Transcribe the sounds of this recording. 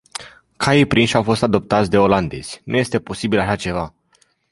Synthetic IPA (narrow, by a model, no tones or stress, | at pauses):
kʰaipɾinʃawfo̞st̪ad̪o̞p̚t̪at̪sʲd̪e̞o̞land̪e̞̰z̥ʲnṵje̞st̪e̞po̞sibilaʃat͡ʃe̞va